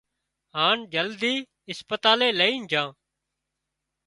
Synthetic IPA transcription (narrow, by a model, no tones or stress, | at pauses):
ɦaːɳd͡ʒəld̪iː | ɪspət̪aːleːləiːnd͡ʒʱãː